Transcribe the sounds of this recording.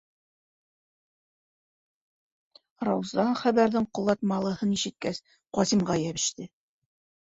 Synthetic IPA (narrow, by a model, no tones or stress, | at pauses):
rɑwzɑɴχæβæɾðɘɴqŏlˠɑt̪mɑlˠɤ̆hɤniʃɘ̆t̪̚kæs | qɒsimʁɑjæβɘ̆ʃt̪ɘ